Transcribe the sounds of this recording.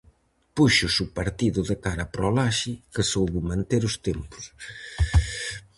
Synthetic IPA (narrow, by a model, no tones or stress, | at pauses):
puʃʊsupaɾt̪iðʊðɪkaɾapɾɔlaʃikesowβumãnt̪eɾʊst̪empʊ̥s